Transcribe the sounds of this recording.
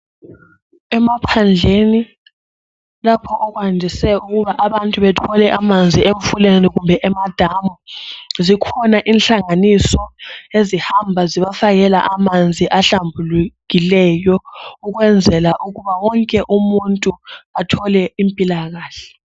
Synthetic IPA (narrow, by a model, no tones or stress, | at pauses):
ɛmapʰand͡ɮʱeni | lapʰɔʔɔɣwandʱisɛuɣuβaʔaβantʼuβɛtʰɔlɛʔamand͡zʱieɱfuleniɣumbʱɛʔɛmad̥ʱamɔzikʰɔnaʔinɬaŋanisɔezihambʱaziβafaɣɛla̰ʔamand͡zʱiʔaɬambʱuluɣilɛjɔuɣwɛnd͡zʱɛlaʔuɣuβawɔŋkʼɛʔumuntʼuatʰɔlɛimpʼilaɣaːɬɛ̥